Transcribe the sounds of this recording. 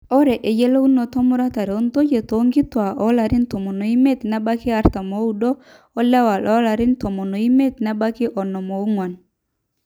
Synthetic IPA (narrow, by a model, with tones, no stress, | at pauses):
ɔ˦ɾɛ˨ʔe˨d͡ʒɛ˦lo˦u˦no˨tɔ˦mɔ˦ɾa˦ta˨ɾɛ˨o˦nt̪o˦d͡ʒe˨t̪o˨˦ŋɡi˦twa˨ʔɔ˦la˨ɾi˦ntɔ˨mɔ˨no˨i˦mɛ˦t̪na˦ba˦ki˦a˦ɾt̪a˨mo˨˦u˦˨ɗoː˦ | la˦wa˨lʔɔ˦la˨ɾi˦ntɔ˨mɔ˨no˨i˦me˦t̪na˦ba˦ki˦ʔɔ˨nɔ˨mo˨u˦ŋwɔ˨n